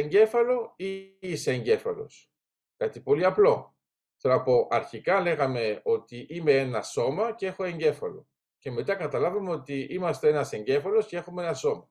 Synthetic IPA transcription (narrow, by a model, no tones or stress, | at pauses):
eɲɟe̞fɐlo̞iiseeɲɟe̞fɐ̰lo̞̰s | kɐt̪ipo̞liɐplo̞ | θonɐpo̞ʔɐɾçikɐle̞ɣɐme̞o̞t̪iʔime̞enɐso̞mɐcee̞xo̞e̞ɲɟe̞fɐ̰lo̞̰ | ce̞me̞t̪̬ɐkɐt̪ɐlɐvɐmeo̞t̪iimɐst̪ee̞nɐse̞ɲɟe̞fɐlo̞sce̞e̞xumeenɐso̞mɐ